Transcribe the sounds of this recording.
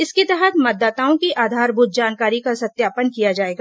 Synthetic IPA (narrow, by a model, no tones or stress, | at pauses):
ɪsket̪ɛɦət̪mɐd̪ːaːt̪aːõkiʔaːd̪ʱaːɾbʱuːt̪̚d͡ʒaːnkaːɾikasɐt̪jaːpənkijad͡ʒaːeːɡa